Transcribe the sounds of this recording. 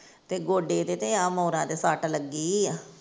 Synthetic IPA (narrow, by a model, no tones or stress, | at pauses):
t̪eːɡoːɖeːt̪eːt̪eãːmoːɾãːt̪eːsaːʈləɡiː